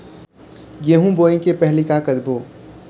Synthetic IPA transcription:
ɡeɦũboːĩkepɛɦlikakəd̪bʱoː

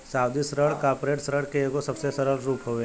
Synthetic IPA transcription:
sawd̪isɾəɭkapɾeʈsɾəɭkeːɡosəbsesəɾəlɾupɦoʋe

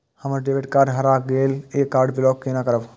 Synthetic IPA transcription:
həməɾɖeːʋeʈkaːɾɖɦɐɾaːɡeːleːkːaːɾɖbɪlɔːkːenakəɾəʋ

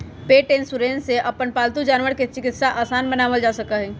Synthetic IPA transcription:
peːʈeːnsuɾeːnseʔɐpənpaːlt̪ud͡ʒaːnʋəɾket͡ʃɪkɪt̪saʔaːsaːnbɐnaːməld͡ʒaːsɐkaɦɛ

